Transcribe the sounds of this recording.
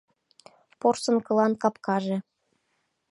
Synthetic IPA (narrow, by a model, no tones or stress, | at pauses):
porsɤ̆nkɤ̆lˠɑnkɑpkɑʒĕ